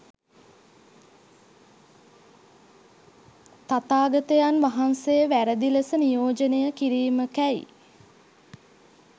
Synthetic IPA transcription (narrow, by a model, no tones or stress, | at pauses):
t̪at̪aːɡət̪əjanʋaɦansejəʋæɾəd̪iləsənijoːd͡ʒənejəkiɾiːməkæjḭ